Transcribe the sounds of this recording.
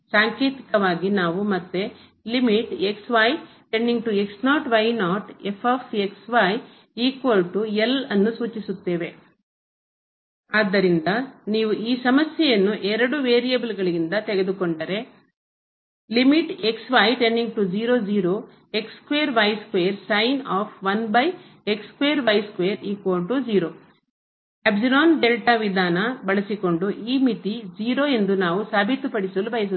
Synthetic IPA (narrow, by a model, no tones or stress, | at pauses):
saːŋkeːt̪i̥kɐʋaːɡinaːʋumɐt̪ːe | limiʈeksʋɐj | ʈe̞ɳɖiŋɡ̚ʈueksnaːʈʋɐjnaːʈepʰɐfsieksʋɐj | iːkʋɐlʈuelɐnːusuːt͡ʃisut̪ːe̞ːʋe̞ | aːd̪ːɐɾind̪ɐniːʋuʔiːsɐmɐsjɛjɐnːuʔɛɾɐɽuʋeːɾijɐbulɡɐɭiɡind̪ɐt̪eɡe̞d̪ukoɳɖɐɾe̞ | limiʈeksʋaːjʈe̞ɳɖiŋɡ̚ʈud͡ʒiːɾoːd͡ʒiːɾoː | e̞kskʋeːɾʋɐjskʋeːɐɾsɐjnaːpʰʋɐnbɐj | ekskʋeːɾʋɐjskʋeːɾiːkoːʈud͡ʒiːɾoː | ɐbsiloːnɖelʈɐʋid̪ʱaːnɐbɐɭɐsiko̞ɳɖuʔiːmit̪id͡ʒiːɾoːe̞nd̪unaːʋusaːbʱit̪upɐɽisɐlubɐjɐs̬u